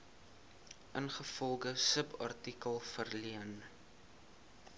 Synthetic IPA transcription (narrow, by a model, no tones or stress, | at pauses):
ʔənχəfɔlˠɡəsəpɐ̰rtikəlˠfərliən